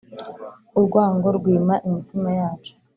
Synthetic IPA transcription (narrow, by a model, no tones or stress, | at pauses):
uɾɡwaːŋɡo̞ɾɡwiːmaʔimitimajaːt͡ʃu̥